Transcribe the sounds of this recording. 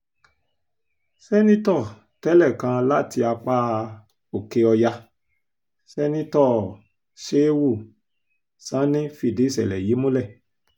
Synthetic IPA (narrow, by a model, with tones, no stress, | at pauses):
sɛ˦nĩ˦tɔ˦˨ | tɛ˦lɛ˦˨kã˧˦la˦ti˧a˧k͡pa˦ | o˨ke˧ɔ˧ja˧ | sɛ˦nĩ˦tɔ˦˨ | ʃe˦wu˦˨ | sã˨˦nĩ˦fi˧˨de˨˦˨sɛ̰˨lɛ˨ji˨˦mũ˦lɛ˦˨